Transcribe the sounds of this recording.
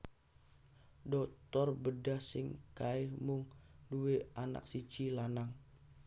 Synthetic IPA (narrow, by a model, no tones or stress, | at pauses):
dɔkt̪ɔrbədahsɪŋkaɪhmʊŋdueana̰ksit͡ʃilanaŋ